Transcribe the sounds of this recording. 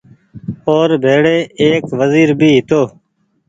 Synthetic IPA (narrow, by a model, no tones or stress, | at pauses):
oːɾbʱeːɽeːeːkʋəziːɾbʱiːɦɪt̪oː